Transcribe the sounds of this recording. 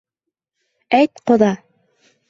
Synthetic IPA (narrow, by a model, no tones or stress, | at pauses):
æjt̪̚qŏðɑ